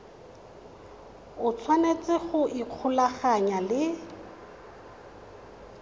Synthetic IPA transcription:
ʊt͡sʰwanet͡sɪχʊʔiq͡χʰʊlaχaɲalɪ

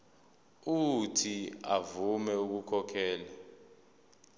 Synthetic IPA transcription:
utʰia̰vumɛuk̬ukʰɔkʰɛːla

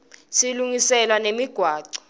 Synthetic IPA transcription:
siluŋisɛlanemiɡ̥ʱwaːǀɔ̥

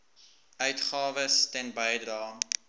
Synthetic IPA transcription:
œɥtχɑːvəstɛnbəjdrɑː

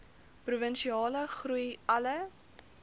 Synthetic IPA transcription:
pruvənʃiɑːləχrujɐlə

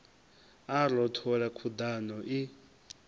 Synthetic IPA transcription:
alɔtʰɔɺakʰud̪anɔʔi

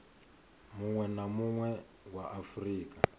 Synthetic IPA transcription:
muŋwɛnamuŋwɛ | waʔafriːkʼa

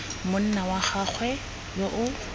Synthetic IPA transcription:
mʊn̩nawaχaχʰwɛ | joʔʊ

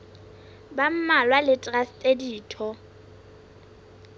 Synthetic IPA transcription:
bam̩malwalɪtʼrastʼediːtʰɔ

